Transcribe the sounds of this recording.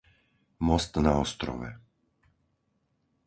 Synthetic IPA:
mɔst̪naɔst̪ɾɔ̰ʋɛ̰

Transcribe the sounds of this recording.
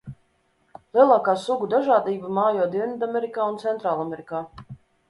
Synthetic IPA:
lˠiɛlˠaːkaːsuɡud̪aʒaːd̪iːbamaːjɔːd̪iɛnid̪amɛɾikaːunt̪sɛnt̪ɾaːlˠameɾikaː

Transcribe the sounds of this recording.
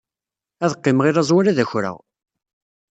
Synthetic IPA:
æðəqːɪmʁɪɾæzˤwaɾaðæçɾæ̰ʁ

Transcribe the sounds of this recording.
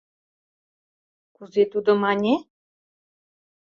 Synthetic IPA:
kuzet̪ud̪ɤ̆mɑnʲe

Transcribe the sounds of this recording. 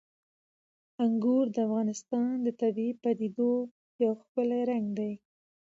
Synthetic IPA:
aŋɡuɾd̪əafɣɑnɪst̪ɑnd̪ət̪abiipad̪id̪o | jawxpəlaɾaŋɡd̪aj

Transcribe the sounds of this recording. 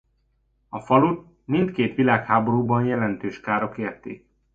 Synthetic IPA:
ɒfɒlut̪ | mint̪keːt̪ʋilaːkhaːboɾuːbɒnjɛlɛnt̪øːʃkaːɾokeːrt̪ḛːk

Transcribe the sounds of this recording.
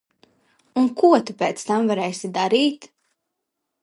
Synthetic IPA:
unkuɔt̪upɛːt̪st̪amvaɾɛːsid̪aɾiːt̪

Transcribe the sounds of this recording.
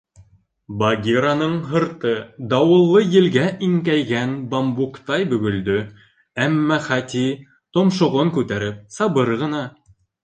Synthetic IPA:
bɑɡʲiɾanɤɴɦɤ̆ɾt̪ɤd̪ɑwɤ̆lˠːɤjɘ̆lɡæʔiŋkæjɡænbɑmbukt̪ɑjbɵ̆ɡɵ̆ld̪ɵ | æmːæχæt̪i | t̪ŏmʃŏʁoŋkʉt̪æɾɘp̚sɑβɤɾʁɤ̆nɑ

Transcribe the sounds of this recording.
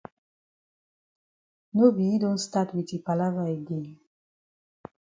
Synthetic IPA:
nobijidõntstatwitipalavaeɡɛ̃n

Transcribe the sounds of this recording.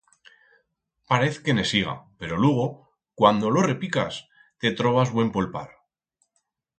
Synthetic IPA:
paɾe̞θke̞ne̞siɣ̞a̰pe̞ɾo̞lweɣ̞o̞ | kwand̪o̞lo̞re̞pika̰s | t̪e̞t̪ɾo̞β̞azβwe̞mpolpa̰ɾ

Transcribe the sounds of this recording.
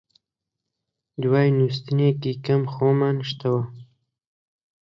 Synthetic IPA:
d̪waːjnuːs̬t̪ɨneːkikɐmxoːmaːnʃt̪awɐ

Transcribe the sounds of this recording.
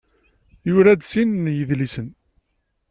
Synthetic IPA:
jʊɾæd̪sinnjəðlisən

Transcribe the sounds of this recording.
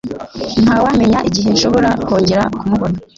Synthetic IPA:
n̥haːwame̞ɲaʔiɟiɦe̞nʃo̞βo̞ɾako̞ːɲɟe̞ɾakumuɡona

